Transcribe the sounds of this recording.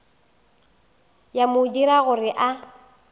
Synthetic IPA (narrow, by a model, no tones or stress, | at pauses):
jamʊdiɾaɣʊrɪʔa